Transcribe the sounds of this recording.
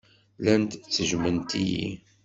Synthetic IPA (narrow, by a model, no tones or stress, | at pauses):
lænt̪t͡sːəʒmənt̪ijḭ